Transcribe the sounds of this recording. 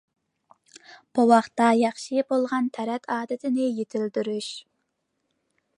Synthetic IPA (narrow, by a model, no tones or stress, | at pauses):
b̥uwɑχt̪ɑjɑχʃibolˠʁɑnt̪ʰɛɾɛt̪ʰɑːd̪ɪt̪ʰɪnɪjet̪ʰɪld̪yɾyʃ